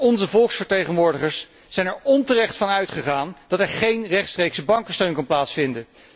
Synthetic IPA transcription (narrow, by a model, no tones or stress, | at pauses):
ɔnzəvɔlˠksfəɹtejχənʋʊːɹdəχəɹsː | ɛjnɛɹɔntərɛχtfɑnœɥtχəχaːnd̥ɑtɛɹχejnrɛχtstrejksəbɑŋkəstøɥnkɑnplaːtsfɪndə